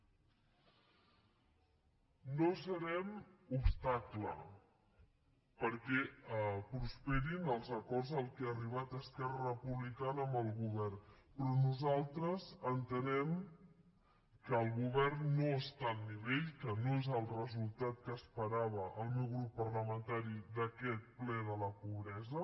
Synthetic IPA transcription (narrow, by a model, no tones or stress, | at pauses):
nosəɾɛmupst̪aklə̰ | pəɾkɛpɾuspɛɾinəlˠzəkɔrzəlˠkɛaəriβ̞at̪əskɛrəəpuβlikanəːmbəlˠɣuβɛrpɾɔnuzalˠt̪ɾəzənt̪ənɛm | kəːlˠɣuβɛrnːoəst̪alˠniβeʎkənoezəlˠrəzulˠt̪at̪̚kəːspəɾaβəʔəlˠmewɣɾupːəɾləmənt̪aɾid̪əkɛt̪̚plɛðələpuβ̞ɾɛzə